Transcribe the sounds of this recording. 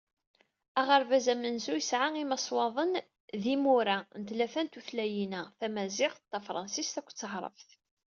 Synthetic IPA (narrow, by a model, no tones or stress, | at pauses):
æʁəɾvæzæmənzujəsʕaimɑsˤwɑðˤən | ðimuɾanət̪læfænt̪uθlæjinæθæmæzɪqt̪ːæfɾˤɑ̰nsist̪ækʷːt͡sːəħɾˤə̰fθ